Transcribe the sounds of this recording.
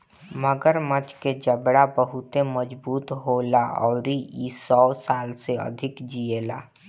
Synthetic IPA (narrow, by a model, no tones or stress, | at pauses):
məɡəɾmət͡ʃked͡ʒəbɽabəɦʊt̪eməd͡ʒbuːt̪ɦoːlaʔɔːɾiisɔːsaːlseə̰d̪ʱɪkd͡ʒieːla̰ː